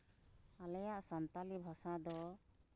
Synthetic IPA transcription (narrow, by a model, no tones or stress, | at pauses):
alɛjaʔsɔnt̪alibʱɔsad̪ɔ